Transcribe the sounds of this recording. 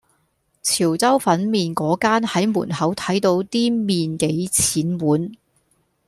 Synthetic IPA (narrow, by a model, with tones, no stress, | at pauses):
t͡sʰiː˨˩wt͡sɐ˥wfɐ˨˥nmiː˨˧nkɔː˨˥kaː˥nhɐ˨˥jmuː˨˩nɦɐ˨˥wt̪ʰɐ˨˥jt̪o˨˧wt̪iː˥miː˨nke˨˧jt͡sʰiː˨˥nwuː˨˥n